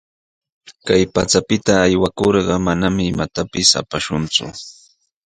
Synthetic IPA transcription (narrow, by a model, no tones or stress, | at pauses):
kajpat͡sapɪt̪aːjwakoɾɢɑmanamɪːmat̪apɪsa̰paʃʊnt͡sʊ̰